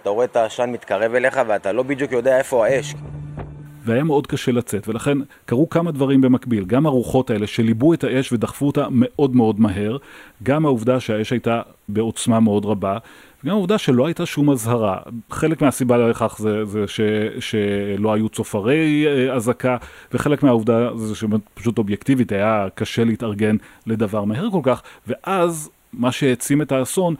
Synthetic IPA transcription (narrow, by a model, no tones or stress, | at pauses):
at̪aooet̪aʃanmit̪kaʁe̞vele̞χaveat̪alo̞bid̪jukjod̪eaefoaeʃ | veajame̞o̞dkaʃe̞lat͡se̞tve̞laχe̞n | kaʁukamad̪vaʁimbe̞makbilɡamaʁuχo̞tae̞le̞ʃe̞libue̞taʔe̞ʃve̞daχfuotame̞ʔo̞dme̞o̞dmaɦe̞ʁɡamauvdaʃeae̞ʃhajta | be̞o̞t͡smameo̞dʁaba | veɡamauvdaʃe̞lo̞ajtaʃumazhaʁa̰χe̞lekmeasibaleleχaχzezeʃeʃelo̞ajut͡sofaʁejazakaveχe̞lekmeauvdazeʃemetpḁʃuto̞bjektivitajakaʃe̞lehitɐʁɡe̞nle̞davaʁmahe̞ʁko̞lkaχve̞ʔaz | maʃeet͡sime̞taːso̞n